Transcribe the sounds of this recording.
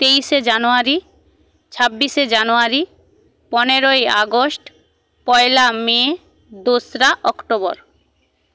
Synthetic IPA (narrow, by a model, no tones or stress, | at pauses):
t̪ejʃed͡ʑanoaɾi | t͡ɕʰabːiʃed͡ʑanoaɾi | pɔneɾoia̰ɡoʃʈ | pɔelame | d̪osɾaʔɔkʈobɔɾ